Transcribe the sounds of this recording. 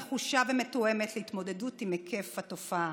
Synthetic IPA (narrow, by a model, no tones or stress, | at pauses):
χuʃavemetoemetleitmo̞de̞dutimekʰefato̞fa